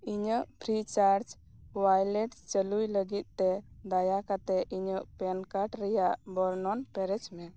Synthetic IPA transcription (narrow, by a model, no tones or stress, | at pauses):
iɲəʔpɾit͡ʃaɾt͡ʃ | wajlɛʈt͡ʃəlujləɡit̪̚ˀt̪ɛd̪ajakat̪ɛʔiɲəʔpɛnkaʈɾɛjaʔbɔɾnɔnpɛɾɛt͡ʃmɛ